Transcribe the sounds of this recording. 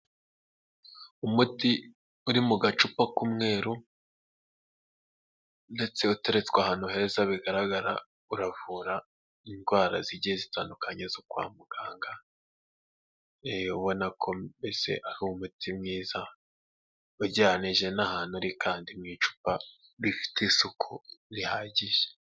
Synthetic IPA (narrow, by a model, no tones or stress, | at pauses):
umuti | uɾimuɡat͡ʃupakumŋe̞ːɾu | nde̞t͡se̞ute̞ɾet͡swahaːn̥uhe̞zaβiɡaɾaɡaɾa̰ | uɾavuɾa | inɡwaːɾaziɟiezitaːndukaɲezokwa̰ːmuɡ̥aːŋɡa | ejoβo̞nakʰo̞bese̞̰ʔaɾuumutʰimŋiːza | uɟaniʒe̞nahaːnhuɾikʰaːndimŋiːt͡ʃu̥pa | ɾifi̥tesukʰuɾihaːɟiʒe̥